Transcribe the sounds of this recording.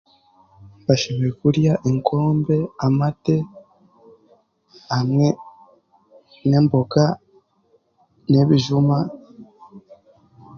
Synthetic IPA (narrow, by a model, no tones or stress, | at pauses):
βaʃeβekuɾjaʔeŋkʰo̞ːmbe̞amate̞ | amŋe̞ | ne̞ːmbo̞ka | ne̞βiʒuma